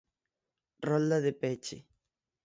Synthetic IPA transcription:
rɔld̪aðepet͡ʃḛ

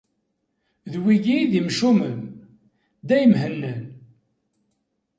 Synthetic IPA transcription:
ðwiɡiðimʃuməm | d̪æjəmɦənːən

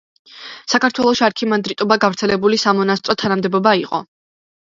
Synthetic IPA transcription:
sakaɾt̪ʰwɛlˠɔʃiaɾkʰimand̪ɾit̪ʼɔbaɡavɾt̪sʰɛlɛbulisamɔnast̪ʼɾɔt̪ʰanamd̪ɛbɔbaiqʼɔ̰

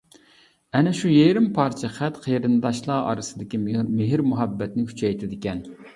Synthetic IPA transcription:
ɛnɛʃujeɾɪmpʰɑɾt͡ʃʰɛχæt̪qʰejɾɨnd̪ɑʃlˠɑːɑ̰ɾɨsɨd̪ɪkʲimɪɦɪɾmuɦɛbːɛt̪nɪkʲʰy̥t͡ʃʰɛjt̪ʰɪd̪ɪkʲɛn

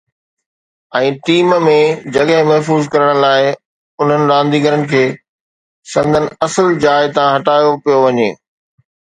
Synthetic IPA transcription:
ɛ̃ːʈiːmmẽd͡ʑɐɠɦɪ̃mɐɦfuːzkɐɾəɽ̃laːɪ | ʊn̤ənɪ̆ɾãːnd̪iːɡəɾənɪ̆kʰeː | sɐ̃nd̪ʱənɪ̆ɐsəld͡ʑaːɪt̪ãɦɐʈaːjopijoʋɐɲeː

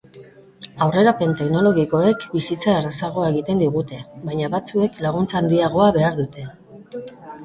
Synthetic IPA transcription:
awre̞ɾape̞nt̪e̞kno̞lo̞ɣ̞iko̞e̞kbisit͡saerasaɣ̞o̞ae̞ɣit̪e̞nd̪iɣ̞ut̪e̞βajɲaβat͡sue̞klaɣ̞unt͡saːnd̪iaɣ̞o̞aβe̞aɾðut̪e̞

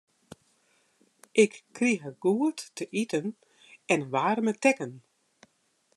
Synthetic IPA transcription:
ʔɪkːriɦəɡ̥uətːəʔitən | ɛnʋaːrmətɛkən

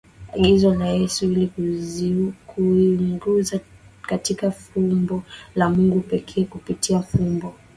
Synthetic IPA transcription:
a̰ɠizɔlajɛsuili | kuŋɡuzakatikafumbɔlamuŋɡupɛkʰɛːkupitiafumbɔ

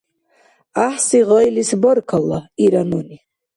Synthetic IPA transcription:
aħsiʁɑjlisbɔrkʰalːaiɾanuni

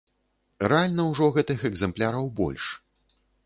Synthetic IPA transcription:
rɛalʲnɐwʐɔɣɛt̪ɨxɛɡzɛmplʲaɾɐwbɔ̰lʲʂ

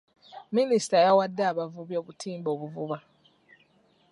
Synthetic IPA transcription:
minisi̥tajawadːaːβavuβjo̞ːβutʰiːmbo̞ːβuvuβa

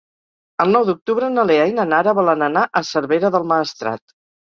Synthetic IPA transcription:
əlˠnɔwd̪uk̚t̪uβɾənəleajnənaɾəβɔlənənaʔəsəɾβeɾəðəlˠməːst̪ɾa̰t̪

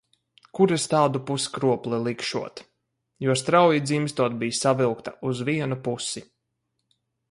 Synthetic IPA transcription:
kuɾɛst̪aːd̪upuskɾuɔplˠɛlˠikʃuɔt̪ | juɔst̪ɾawjid̪zimst̪uɔt̪̚bijsavilˠkt̪auzviɛnupusi

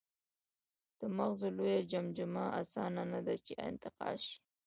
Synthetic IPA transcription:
d̪̥əmaɣzolojad͡ʒamd͡ʒʊmaʔasɑnanad̪at͡ʃeɪ̰nt̪ɪqɑ̰lʃi̥

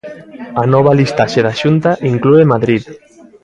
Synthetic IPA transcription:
anɔβ̞alist̪aʃeðaʃunt̪aʔiŋkluemaðɾið

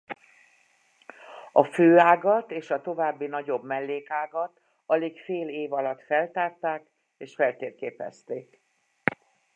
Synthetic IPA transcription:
ɒføːaːɡɒt̪eːʃɒt̪o̞vaːbːinɒɟo̞bmɛlːeːkaːɡɒt̪ | ɒlekfeːleːvɒlɒt̪fɛlt̪aːrt̪aːk | eːʃfɛlt̪eːrkeːpɛ̰st̪eːk

